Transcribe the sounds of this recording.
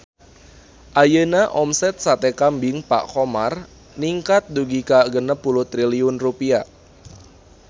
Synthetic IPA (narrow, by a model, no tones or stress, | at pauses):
ʔajənaʔɔmsɛt̪̚sat̪ɛkambɪŋpa̰ʔkɔmar | niŋkat̪̚duɡikaɡənəpːulut̪ɾiliʊnrupia